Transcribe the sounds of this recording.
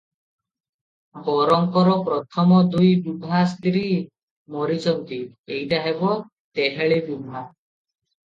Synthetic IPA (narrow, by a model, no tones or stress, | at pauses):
ɡɔɾɔŋkɔɾɔpɾɔt̪ʰɔmɔd̪ujbubʱast̪ɾi | mɔɾid͡ʒɔnt̪iejʈaɦebɔ | t̪eɦeɭebubʱa